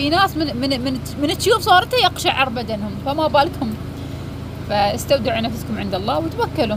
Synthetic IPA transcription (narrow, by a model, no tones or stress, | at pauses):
inaːsmɪnmɪnmɪn | mɪnɪt̪ːjuːfsˤɑːɾˤt̪ajɑqʃaʕɑɾˤbad̪anhʊmfamabaːlkhʊm | faast̪awd̪ɪʕunafskʊmʕɪnd̪ɑlˤːɑːwt̪wakːalu